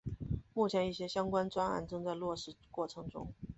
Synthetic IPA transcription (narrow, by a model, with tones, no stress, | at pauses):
mu˥˩t͡ɕʰjɛ˧˥ni˥˩ɕjɛ˥ɕjɑ˥ŋkwa˥nt͡swa˥na̰˧˥˩nʈ͡ʂɤ˥˧ŋt͡sa˥˧ɪlwɔ˥˧ʂɻ̩˥˩kwɔ˥˩ʈ͡ʂʰɤ˧˥ŋʈ͡ʂʊ̰˥ŋ